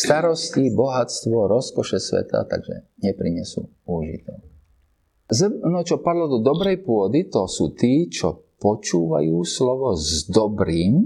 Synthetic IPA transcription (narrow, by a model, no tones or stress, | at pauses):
st̪aɾɔscibɔɦat͡st̪ʋɔɾɔskɔʃɛsʋɛ̰t̪a̰t̪a̰ɡʒɛ̰ɲɛpɾiɲɛsṵː | uʒḭt̪ɛ | zənɔt͡ʃɔpad̪lɔd̪ɔd̪ɔbɾɛjpʊɔd̪it̪ɔsuːt̪iːt͡ʃɔpɔt͡ʃuːʋa̰juːslɔʋɔzd̪ɔbɾiːm